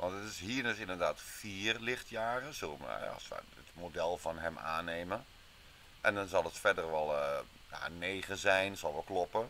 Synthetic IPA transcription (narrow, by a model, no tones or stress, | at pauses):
ʋɔntətɪsɦiːənøsɪndərdaːtfiːərlɪxtjaːrəsomɛ̰ɔ̰sʋə̰ | ətmodɛlˠfɔnɦɛma̰ːneːmə | ʔɛndɔnzɔlˠətfɛdərʋɔlˠ | ja̰neːɣəzɛjnsɔlˠʋɛlˠklɔpə